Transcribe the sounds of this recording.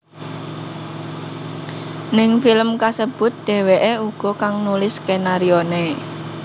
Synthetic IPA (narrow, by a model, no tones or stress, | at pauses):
nɪŋfiləmkasəb̥ʊ̤t̪̚d̪̥e̤weʔeuɡ̥ɔ̤kaŋnulɪskenaɾione